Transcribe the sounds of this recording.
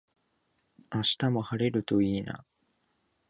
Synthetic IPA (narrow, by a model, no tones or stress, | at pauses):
aɕi̥t̪amo̞haɾe̞ɾɯ̟t̪oiːna̰